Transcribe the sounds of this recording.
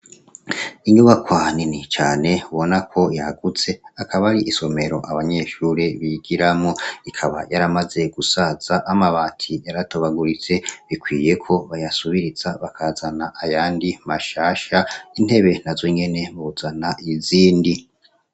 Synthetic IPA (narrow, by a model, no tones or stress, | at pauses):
iɲuβakwaninit͡ʃaːne̞uβo̞nakʰo̞jaɡut͡se̞akʰaβaɾiʔiso̞me̞ɾo̞ʔaβaɲe̞ʃuɾeβiɡ̥iɾamŋoikʰaβa̰jaɾamaze̞ɡ̥usaz̥aʔamaβaːtʰijaɾatʰoβaɡuɾit͡se̞βikwiːje̞kʰo̞βajasuβiɾiz̥aβakʰaːzanaʔajaːndimaʃaːʃain̥he̞βe̞nazo̞ɲe̞ne̞βuuzanaʔiziːndi